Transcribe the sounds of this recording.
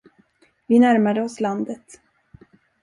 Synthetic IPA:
vɪnæɾmad̪əɔsland̪ət̪

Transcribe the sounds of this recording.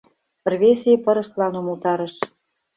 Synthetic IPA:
rβʲeseepɤ̆ɾɤ̆ʃlɑnumɤ̆lt̪ɑɾə̆ʃ

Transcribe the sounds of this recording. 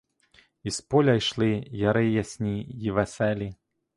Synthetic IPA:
ispɔlʲajʂlˠɨjaɾɛjasʲnʲijivɛsɛlʲi

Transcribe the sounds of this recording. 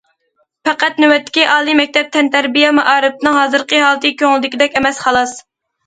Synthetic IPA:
pɛqæt̪nywɛt̪ʰːɪ̥kʲiʔɑːlˠimɛk̚ʲt̪ʰɛp̚t̪ʰɛnt̪ʰæɾbijɛmɑʔɑːɾɨp̪̚ɨnɨŋɦɑːzɨɾqəɦɑlˠɨt̪ɨkʲʰøŋlɪd̪ɪkʲid̪ɛkʲɛmɛsχɑlˠɑs

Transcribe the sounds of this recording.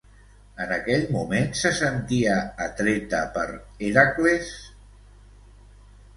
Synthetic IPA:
ənəkɛʎmumensəsənt̪iəːt̪ɾet̪əpəɾeɾakles

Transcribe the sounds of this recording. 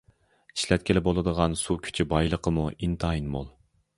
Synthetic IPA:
i̥ʃlɛt̪̚kʲʰɪlɪbolˠɨd̪əʁɑnsukʲʰy̥t͡ʃʰibɑjlˠəqʰəmuʔint̪ʰɑinmo̰lˠ

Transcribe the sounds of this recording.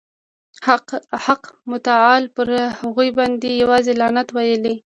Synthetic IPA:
haqmʊt̪aɑlpəɾhaɣujbɑnd̪ejawɑzelɑnat̪wajəli

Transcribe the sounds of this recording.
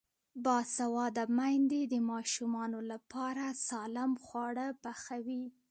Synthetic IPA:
bɑsawɑd̪amajnd̪ed̪əmɑʃumɑnolapɑɾasɑlɪmxwɑɽəpaxawi

